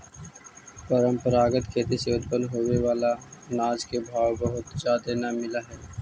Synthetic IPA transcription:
pəɾə̃mpəɾaːɡət̪kʰeːt̪iseʊd̪̚bənɦoːʋeʋaːlanaːd͡ʒkebʱaːwbɐɦʊt̪d͡ʒaːd̪enamɪlaɦɛː

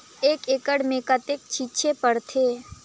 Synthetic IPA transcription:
eːkeːkəɽmẽkət̪eːk̚t͡ʃʰiːt͡ʃʰepəɾt̪ʰeː

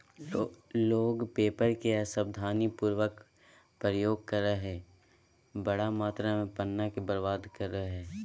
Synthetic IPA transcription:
loːɡpeːpəɾkeasəb̚d̪ʱaːnipuːɾʋək | pɾəjoːɡ̚kəɾːəɦɛː | bɐɽamaːt̪ɾamẽpənːakebəɾbaːd̪kəɾːəɦɛː

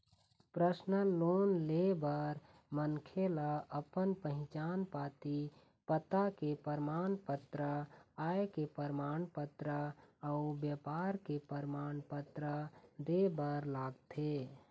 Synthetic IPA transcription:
pɾəsnəloːnlebəɾ | mənkʰelaəpənpəɦɪ̃t͡ʃaːnpat̪i | pət̪akepəɾmaːnpət̪ɾəaekepəɾmaːnpət̪ɾəəubjəpaːɾkepəɾmaːnpət̪ɾəd̪ebəɾlaːɡt̪ʰe

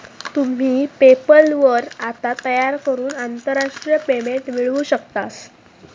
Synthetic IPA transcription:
t̪um̤iːpepəlʋəɾat̪at̪əjaɾkəɾuːnant̪əɾːaʂʈɾijəpemeɳʈmiɭũːɕəkt̪as

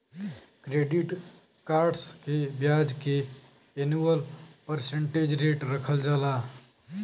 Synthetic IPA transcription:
kɾeɖiʈ | kaːɾɖskebjad͡ʒke | enuwəlpəɾseɳʈed͡ʒɾeʈɾəkʰəld͡ʒaːla

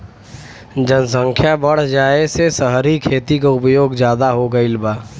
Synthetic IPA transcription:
d͡ʒənəsə̃ŋkʰjabəɽ̤d͡ʒaːesesəɦɾikʰeːt̪ikaʊpjoːɡd͡ʒjaːd̪aɦoɡəilbaː

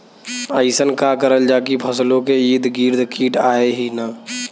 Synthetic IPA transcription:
əɪsənkakəɾəld͡ʒaːkipʰəslõkeiːd̪ɡiːɾd̪ʱkʰiːʈaːeɦinaː

